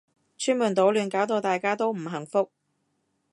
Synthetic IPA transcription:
t͡ʃʰyː˥nmu˨nt̪o˨˥wlyː˨˧nkaː˨˥wt̪̬o˧wt̪aː˨jkaː˥t̪o˥wm̩˨˩ɦɐ˨˩ŋfʊ˥k̚

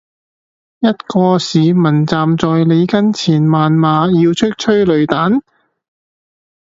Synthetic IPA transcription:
jɐ˥t̚kɔː˧siː˨˧mɐ˨˩nt͡saː˨mt͡sɔː˨jle˨˧jkɐ˥nt͡sʰiː˨˩nmaː˨nmaː˨˧jiː˧wt͡ʃʰɵ˥k̚t͡ʃʰɵ˥ɥlɵ˨˧ɥt̪aː˨˥n

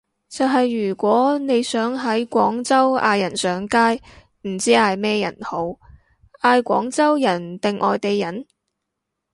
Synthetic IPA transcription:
t͡sɐ˨wɦɐ˨jːyː˨˩kʷɔː˨˥ne˨˧jsœː˨˥ŋɦɐ˨˥jkʷɔː˨˥ŋt͡sɐ˥wa̰ː˧jɐ˨˩nsœː˨˥ŋkaː˥j | m̩˨˩t͡siː˥aː˧jmɛː˥jɐ̰˨˩nho˨˥w | ʔaː˧jkʷɔ̰ː˨˥ŋt͡sɐ˥wjɐ˨˩nt̪ɪ˨ŋʔɔː˨jt̪e˨˧jːɐ˨˩n

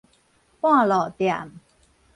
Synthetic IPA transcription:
pwã˥˩˨lɔː˨˩t̪ja̰˨˩m

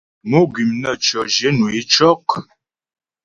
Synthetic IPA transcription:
nu˦ɡi˨mnə˦˨t͡ʃɔ˨ʒe˦nu˨e˦t͡ʃɔ˦k

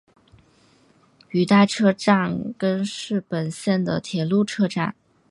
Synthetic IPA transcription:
y˨˩t̪a˥˩ʈ͡ʂʰɤ˥ʈ͡ʂa˥˩nkə˥nʂɻ̩˥˩pə˨˩nɕjɛ˥˩nd̪ə̰˩t̪ʰjɛ˨˩lu˥˩ʈ͡ʂʰɤ˥ʈ͡ʂa̰˥˩n

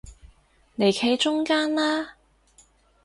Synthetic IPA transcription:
ne˨jkʰe˨˧jt͡ʃʊ˥ŋkaː˥nlaː˥

